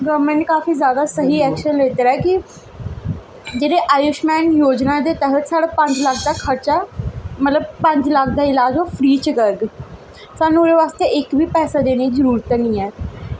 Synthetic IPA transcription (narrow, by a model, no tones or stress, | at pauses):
ɡɔɾmə̃ɳʈ̚kaːfiːzjaːd̪aːsəɦiːɛːkʃənleːt̪eːɾaɛːkɪ | d͡ʒeːɽeːʔaːjʊʃmɛːnjoːd͡ʒnaːd̪eːt̪ɛɦət̪saːɽaːpə̃ɲd͡ʒlək̚ʰd̪aːkʰəɾt͡ʃaːmət̪ləb̚pə̃ɲd͡ʒlək̚ʰd̪aːɪlaːd͡ʒoːpʰɾiːt͡ʃəkəɾɡ | saːnũɾeːʋaːst̪eʔɪkʋiːpɛːsaːd̪eːneĩzəɾuːɾt̪ːnĩːɛː